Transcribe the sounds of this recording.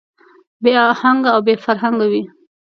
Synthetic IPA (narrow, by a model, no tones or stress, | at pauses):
beahaŋɡaːwbefaɾɦaŋɡawi